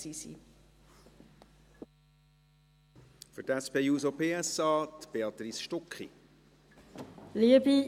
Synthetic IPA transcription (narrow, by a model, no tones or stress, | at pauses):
sisḭ | fʏtɛspeːjuːsopʰeːɛsɑːt̪b̥eɑt̪risʃtɔkχḭ | liəbi